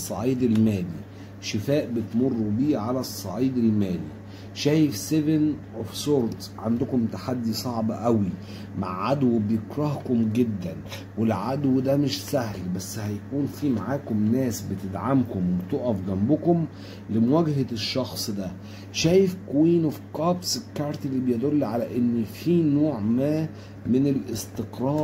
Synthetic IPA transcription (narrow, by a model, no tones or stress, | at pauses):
sˤːɑ̰ʕiːd̪elmæːli | ʃɪfæːʔbet̪morˤːubiːʕalæsˤːɑʕiːd̪elmæːli | ʃæːjefsevenʔofsoːɾt̪sʕand̪ʊkomt̪aħad̪ːisˤɑʕbʔæwi | ma̰ʕʕad̪wbejekɾˤɑhkomɡed̪ːæn | welʕad̪wd̪æmɪʃsæhlbæsːhæjækuːnfimaʕaːkomnæːsbet̪ed̪ʕamkomwebt̪oːʔæfɡæmbʊkom | lemowæɡhʃːɑxsˤd̪æ | ʃæːjefkwiːnofkɑbsekːɑɾˤt̪ilːibejed̪olːʕalæʔenːfiːnoːʕmæː | menelʔest̪eqɾˤɑːɾ